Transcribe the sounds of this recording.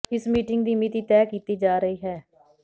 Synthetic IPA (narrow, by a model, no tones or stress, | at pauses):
ɪsmiːʈɪŋɡd̪iːmiːt̪iːt̪ɛːkiːt̪iːd͡ʒaːɾəiːɦɛː